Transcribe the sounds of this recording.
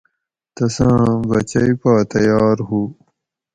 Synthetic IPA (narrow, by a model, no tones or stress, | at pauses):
t̪ɐsãbɐt͡ɕɐjpaːt̪ɐjɑːɾhu